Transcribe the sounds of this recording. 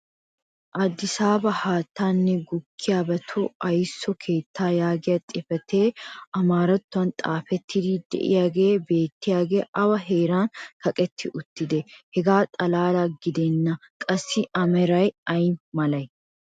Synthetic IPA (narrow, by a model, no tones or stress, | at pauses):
ʔɐd̪ːɪsaːbɐhaːt̪ːaːnːɛɡʊkʰːɪjaːbɐt̪ʰʊɐjsːɔkʰe̞ːt̪ːaːjaːɡɪjɐt̪ʼɪfɛt̪e̞ːɐmaːɾɐt̪ːʊɐnt̪ʼaːfɛt̪ːɪd̪id̪ɛ̰ʔɪ̰jaːɡe̞ːbe̞ːt̪ːɪjaːɡḛːʔɐwɐɦeːɾaːnkɐkʼɛt̪ʰːɪʔʊt̪ːɪd̪ɛhɛɡaːt̪ʼɐlaːlaɡɪd̪ɛnːɐkʼɐsːɪʔɐmɛɾɐjɐjmɐlɐj